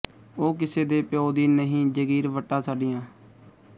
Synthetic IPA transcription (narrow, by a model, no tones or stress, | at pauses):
oːk̬ɪseːd̪eːpɪjoːd̪iːnəɦĩːd͡ʒəɡiːɾʋəʈːaːsaːɖɪjãː